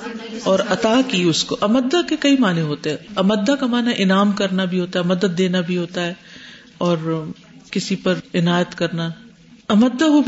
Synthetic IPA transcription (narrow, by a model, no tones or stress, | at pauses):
ɔːɾɐt̪aːkiʊskoʔɐməd̪ːakekɐimaːnẽɦoːt̪eɦɛ̃ɐməd̪ːakamaːnaʔɪnaːmkɐɾnabʱiɦoːt̪aɦɛɐmɐd̪əd̪̚ːeːnabʱiɦoːt̪aɦɛː | ɔːɾ | kɪsipɐɾɪnaːjət̪kɐɾna | ɐməd̪ːaɦu